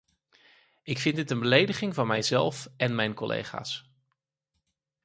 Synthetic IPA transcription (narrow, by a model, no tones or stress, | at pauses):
ɪkfɪntdɪtənbəlejdəχɪŋvɑnmɛjzɛ̰lˠfɛnmɛjnkɔlʔḛjχa̰ːs